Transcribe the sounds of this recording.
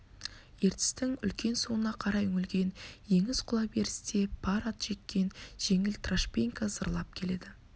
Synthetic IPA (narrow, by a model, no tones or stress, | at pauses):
je̞ɾt̪ɪ̥st̪ɪŋʏ̰lkʲe̞nsuwənɑqʰɑɾɑjʏŋɪlɡʲe̞nje̞ŋɪzqʰʊlˠɑbe̞ɾɪst̪e̞pʰɑɾɑt̪ʒ̥e̞k̚ʲːe̞nʒ̥e̞ŋɪlt̪raʃpʲeŋkazəɾlˠɑp̚kʲʰe̞le̞d̪ɪ